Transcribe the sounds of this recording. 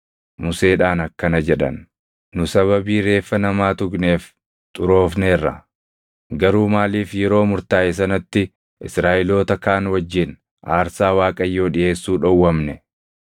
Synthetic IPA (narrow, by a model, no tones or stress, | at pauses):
mʊse̞ːᶑaːnɐkːɐnɐd͡ʒɛᶑɐ̰nː | ʊsɐβɐbiːɾe̞ːfːɐnɐmaːt̪ʊkneːf | t̪ʼʊɾo̞ːfneːrːɐ̰ | ɡɐɾuːmaːliːfjɛɾo̞ːmʊɾt̪aːʔɛs̬ɐnɐt̪ːɪ | ʔɪsɾaːʔɪlo̞ːt̪ɐkaːnwɐd͡ʒːɪn | ʔaːɾsaːwaːkʼɐjːo̞ːᶑɪe̞ːsːuːᶑɔwːɐmnɛ